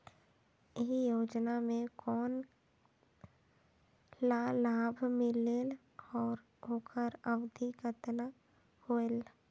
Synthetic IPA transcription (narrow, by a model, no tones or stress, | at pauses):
ɪɦijoːd͡ʒnamẽkɔːn | laːlaːbʱmɪlel | ɔːɾ | ɦoːkʰəɾəwd̪ʱikət̪na | hoːel